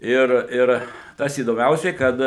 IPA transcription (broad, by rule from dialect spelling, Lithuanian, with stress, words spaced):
ˈɪr ˈɪr tɐs iːdoːˈmʲɛʊsʲɛɪ ˈkɐt